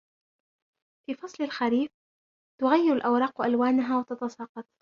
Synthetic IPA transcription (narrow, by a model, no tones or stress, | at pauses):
fiːfɑsˤlɪlxaɾiːf | t̪ʊɣajːɪɾʊlʔawɾˤɑːqʔalwaːnaɦaːwɪt̪ɑt̪ɑsˤɑːqɑt̪ˤ